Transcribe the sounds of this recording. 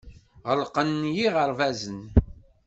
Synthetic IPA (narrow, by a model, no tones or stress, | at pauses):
ʁəlqənːjiʁəɾvæzən